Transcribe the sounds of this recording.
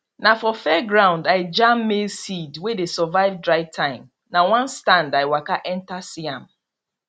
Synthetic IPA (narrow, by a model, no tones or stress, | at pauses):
nafɔfɛɡɹãʊ̃ndaɪd͡ʒãmːesidwedesɔvaɪvdɹaɪvtʰãɪ̃m | nawãnstãndaɪwakaʔɛ̃ntasiãm̩